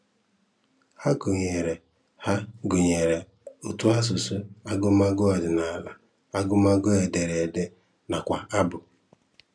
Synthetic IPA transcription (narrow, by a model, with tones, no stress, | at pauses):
ha˦ɡʊ˨ɲe˨ɾe˨ | ha˦ɡʊ˨ɲe˨ɾe˨ | ʊ˨tʊ˦a˦s̬ʊ˨sʊ˦a˦ɡʊ˦ma˦ɡʊ˦ɔ˨dɪ˨na˨la̰˨ | a˦ɡʊ˦ma˦ɡʊ˦e˨de˨ɾe˨de˦ | na˨kʷa˨a˦bʊ˨